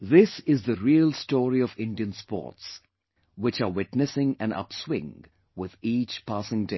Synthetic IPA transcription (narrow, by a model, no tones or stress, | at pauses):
ðɪsɪzðəɾiəlˠstɔːɾiɔvɪ̃nɖiə̃nspɔ̰ːts | wɪt͡ʃawɪʈnɨsɪ̃ŋæ̃nʌ̰pswɪ̰̃ŋ | wɪðiːt͡ʃpʰæsɪ̃ŋde